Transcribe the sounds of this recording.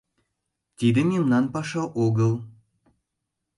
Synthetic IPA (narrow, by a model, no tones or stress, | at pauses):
t̪id̪ɘ̆mimnɑnpɑʃɑʔoɣɤlˠ